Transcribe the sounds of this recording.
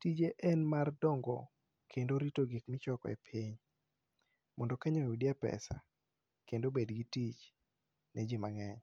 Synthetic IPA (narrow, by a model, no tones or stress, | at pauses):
tid͡ʒeʔɛnmardɔŋɡɔ | kʰendoɾitoɡikmɪt͡ʃɔkɔ̰ɛ̰pʰiɲ | mɔndɔkaɲonwudiɛpɛ̰sa̰ | kendobedɡitit͡ʃ | nʔed͡ʒimaŋɛɲ